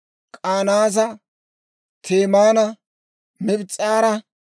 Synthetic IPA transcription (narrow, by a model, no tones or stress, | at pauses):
kʼaːnaːs̬ɐ | t̪ʰeːmaːnɐ | mɛbɪt͡sʼːaːɾɐ